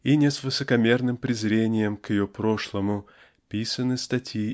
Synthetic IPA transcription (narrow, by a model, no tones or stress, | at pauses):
inʲɪsvɨsəkɐmʲe̞rnɨmpɾʲɪzɾʲenʲɪjəmkjɪjopɾo̞ʂlˠəmʊ | pʲisənɨst̪ɐtʲi